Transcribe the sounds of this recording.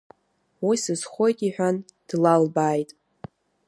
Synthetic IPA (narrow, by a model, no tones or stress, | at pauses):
wisɨz̥χʷo̞jtʼiħʷᶣan | d̥lalbaːjtʼ